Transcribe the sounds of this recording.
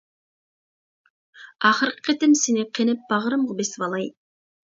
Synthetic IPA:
ɑχəɾqʰə̥qʰet̪ɪmsenɪqʰenɪp̚bɑʁɾəmʁʊbesvɑlˠɑj

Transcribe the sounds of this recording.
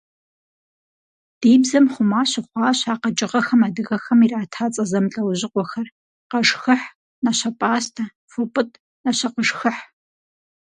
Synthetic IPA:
d̥iːbzɐmχʷʊmaːɕɪχʷɑːɕaːqɐd͡ʒʼɪʁɐxɐmadɨɣɐxɐmiraːtʰaːt͡sʼɐzɐmɬʼɐwʑɪqʷɔxɐr | qɐʂxɨħ | nɐɕɐpʼaːstʰɐ | fɨpʼɨtʼ | nɐɕɐqəʂxɨħ

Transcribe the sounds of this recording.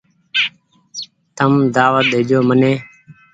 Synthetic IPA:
t̪əmd̪aːʋət̪̚ɦɪd͡ʒoːməneː

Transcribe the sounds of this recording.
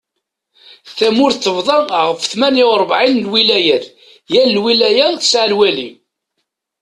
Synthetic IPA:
θæmʊɾθːəvðˤɑnʁəfθmæniʊɾˤbʕinlwilæjæn | jælːwilæjæθə̥sʕəlwælim

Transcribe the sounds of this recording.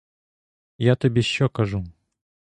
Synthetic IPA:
jat̪ɨbʲeɕːɔkɐʐu

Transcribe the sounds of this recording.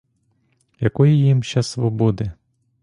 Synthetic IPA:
jɐkɔjijimʃɛsʋɔbɔd̪ɪ

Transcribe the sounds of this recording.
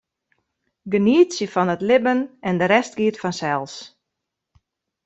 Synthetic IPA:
ɡəniətsjəfɔnətlɪbənɛndəɾɛst̚ɡiətfɔnsɛlˠs

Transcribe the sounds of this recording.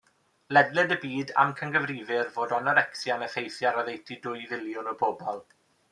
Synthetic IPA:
lɛdlɛdəbiːda̰mkʰənɡəvriːvɪrvoːdɔnɔɾɛksjanəfejθjaɾɔðejtʰidʊjvɪljʊnɔbʰoːbɔlˠ

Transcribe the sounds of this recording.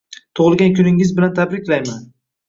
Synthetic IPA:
t̪ʰʊʁɨlˠɡʲankʲʰʊnɪŋɪzbɪlant̪ʰabɾɪkʲlajman

